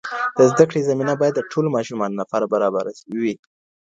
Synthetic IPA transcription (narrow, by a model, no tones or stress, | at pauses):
d̪̥əzd̪akɽezaminabɑjad̪ːəʈʰolomɑʃumɑnnafaɾabaɾɑbaɾawi